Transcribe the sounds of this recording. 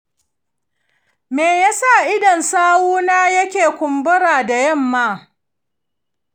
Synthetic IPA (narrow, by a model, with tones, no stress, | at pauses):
meː˨jaː˦sa˦˨ʔɪ˦dɔ˨nsaː˦wuː˦naː˦jɐ˦kʲeː˨kʷʊ˨mbʊ˦ɽaː˨da˨jɐ˦˨mːaː˦